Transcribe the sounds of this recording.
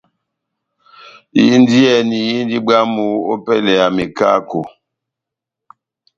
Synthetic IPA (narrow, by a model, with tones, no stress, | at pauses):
jḭ˦n˦di˦ɛ˦˨ni˨ji˦n˦di˦ba˦mu˦o̰˦pɛ˦lɛ˨a˨me˨ka̰˦ko˨